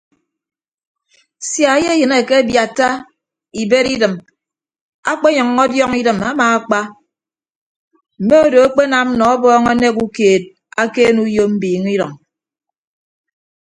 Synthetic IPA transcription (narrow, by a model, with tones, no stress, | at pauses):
sja˨˦je˦jɨ˨ne˨ke˦bja˨tːa˦ | i˨be˦ɾi˦dɨ˨m | a˦k͡pe˦ɲɔ˨ŋːɔ˦djɔ˦ŋi˦dɨ˨ma˦maː˨a˦k͡pa˦ | m̩˨me˦o˦do˨a˦k͡pe˦na˨m̩˦nɔ˨ɔ˦bɔː˦ŋɔ˦ne˦k̬u˦keː˨t̚ | a˦keː˦nu˦jo˦m̩˦biː˨ŋi˦ɾɔ˨ŋ